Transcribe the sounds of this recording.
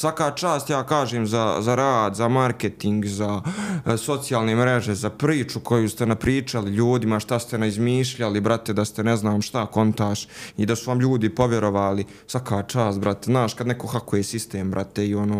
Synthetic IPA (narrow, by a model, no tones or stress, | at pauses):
sʋakaːt͡ʃaːst̪jaːkaːʒeːmzazaɾaːd̪zamaɾket̪iŋɡzaso̞t̪sijaːlˠnemɾeʒezapɾiːt͡ʃukʰo̞just̪enapɾiːt͡ʃaliʎuːd̪imaʃt̪ast̪enaizmiːʃʎalibɾat̪e̞d̪ast̪e̞neznaːmʃt̪ako̞nt̪aːʃid̪asuʋamʎuːd̪ipo̞ʋjeɾo̞ʋaːli | sʋakaːt͡ʃaːst̪̚bɾat̪eznaːʃkad̪neko̞xakujesist̪eːmbɾa̰t̪eio̞noː